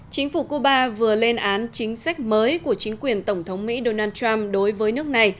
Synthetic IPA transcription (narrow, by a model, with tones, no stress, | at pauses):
t͡ɕï˨˦ŋ̟fu˧˩ku˧ɓaː˧vɨ˨˩əle˧nʔaː˨˦nt͡ɕï˨˦ŋ̟sa˦˥k̟̚məː˨˦jku˧˩ət͡ɕï˨˦ŋ̟kwi˨˩ənt̪ə˧˩wŋ͡mt̪ʰə˨˦wŋ͡mmḭ˧˥ɗo˧naː˧nt͡ɕa˧mɗo˨˦jvəː˨˦jnɨ˦˥ək̚na˨˩j